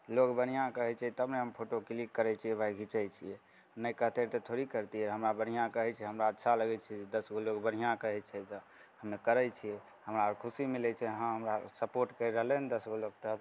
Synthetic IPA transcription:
lokbən̤ijãkəɦɛt͡ʃʰɛt̪əbneɦəmpʰoʈoklikːəɾɛt͡ʃʰiɛʋʱajɡʱit͡ʃajt͡ʃʰijɛ | nəjkəɦt̪eɾt̪ət̪ʰoɾikəɾt̪iɦəmɾabən̤ijãkəɦɛt͡ʃʰɛɦəmɾaətːʃʰaləɡɛt͡ʃʰɛd͡ʒed̪əsɡʱolokbən̤ijãkəɦɛt͡ʃʰɛt̪ə | həmːekəɾɛt͡ʃʰijɛ | həmɾaɾkʰusimilɛt͡ʃʰɛɦãɦəmɾasəpoɾʈkəɾɾəɦlɛned̪əsɡʱolok̚t̪ə

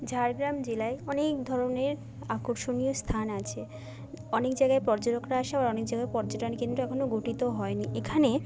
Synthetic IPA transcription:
d͡ʑʱaɾɡɾamd͡ʑelaeɔnek̚d̪ʱɔɾoneɾ | akoɾʃonijost̪ʰanat͡ɕʰe | ɔnekd͡ʑajɡaepɔɾd͡ʑoɾokɾaaʃabaɾɔnek̚d͡ʑajɡaepɔɾd͡ʑoʈankint̪ɾuɛkʰonoɡoʈit̪oɦɔeniʔekʰane

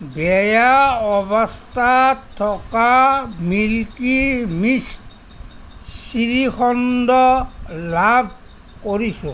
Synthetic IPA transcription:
bɛjaɔbɔstʰatʰːɔkamilkimist | siɹixʰɔndɔlab̚ʱ | koɹisʊ̃

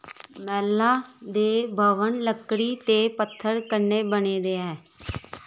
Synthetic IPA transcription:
mɛːlːaːd̪eːbʱəʋənləkːɽiːt̪eːpət̪ʰːəɾkəɾneːbəneːd̪eːɦɛː

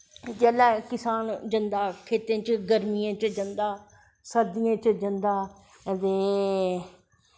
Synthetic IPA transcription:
d͡ʒelakɪsaːnd͡ʒə̃nd̪aːkʰeːt̪ẽːt͡ʃɡəɾmijãːt͡ʃəd͡ʒə̃nd̪aː | səd̪ɪjãːt͡ʃd͡ʒənd̪aː | d̪eː

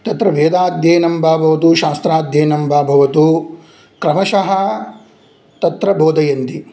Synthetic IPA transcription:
t̪ɐt̪ɾɐʋeːd̪aːd̪ʱjeːnɐmbʱaːbʱɐʋɐt̪̬uʃaːst̪ɾaːd̪ʱjeːnɐmbʱaːbʱɐʋɐt̪u | kɾɐmɐʃɐɦɐ | t̪ɐt̪ɾɐboːd̪ɐjɐnt̪i

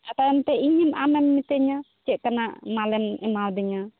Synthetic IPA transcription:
at̪aɛmt̪ɛiɲimamɛmːit̪ɛɲa | t͡ʃɛʔ̚kanaʔmalɛmɛmawd̪ɛɲa

